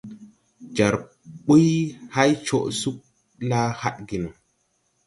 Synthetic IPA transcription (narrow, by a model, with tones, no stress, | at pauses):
d͡ʒa˨ɾ | ɓu˦jha˦jt͡ʃo˨ʔsu˦k̚ | la˦ha˦ɗɡi˨no˨